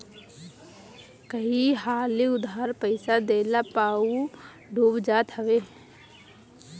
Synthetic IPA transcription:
kəɦiɦaːliʊd̪aɾpəɪsad̪eːlapaːu | ɖʱuːbd͡ʒaːt̪ɦəʋeː

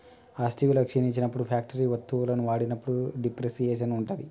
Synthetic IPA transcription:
aːsʈiʋulɐkʂiniɲt͡ʃːinɐpːuɽupʰaːk̚ʈɐɾiːʋɐt̪ːuʋulɐnuʋaːɽinɐpːuɽuɖipɾesijeːʃɐnuɳʈud̪i

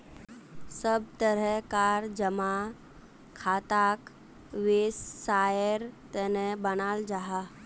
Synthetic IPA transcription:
səb̚t̪əɾəkaːɾd͡ʒəma | kʰaːt̪aːk | ʋeːsːaːjəɾt̪enebənaːld͡ʒaɦa

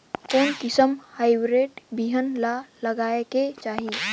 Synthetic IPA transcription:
koːnkɪsəmhaːɪbɾeːʈbiɦənlaləɡaːeket͡ʃaːɦi

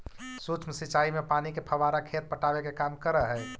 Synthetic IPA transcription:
sut͡ʃmsit͡ʃaimepanikepʰəbaɾakʰet̪̚pəʈabekekamkəɾəɦɛ

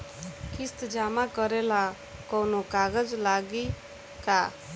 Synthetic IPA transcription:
kist̪d͡ʒamakʌɾela | kɔwnokaɡəd͡ʒlaɡi | ka

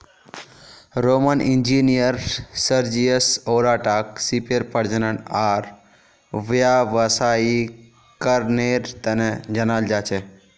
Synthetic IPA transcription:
ɾomənind͡ʒinijəɾsəɾd͡ʒiəsoːɾaːʈaːksipeɾpəɾd͡ʒənəɳaːɾ | ʋjaʋəsaːi | kəɾneɾt̪ɐned͡ʒɐnaːld͡ʒaːt͡ʃʰe

